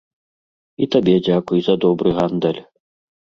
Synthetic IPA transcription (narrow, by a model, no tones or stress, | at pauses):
it̪ɐbʲedʲakʊjzɐd̪ɔbɾɨɣand̪ɛlʲ